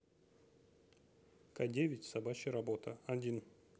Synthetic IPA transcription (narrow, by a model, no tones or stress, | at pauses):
kadʲevʲɪtʲsɐbat͡ɕɪɾɐbot̪əɐdʲin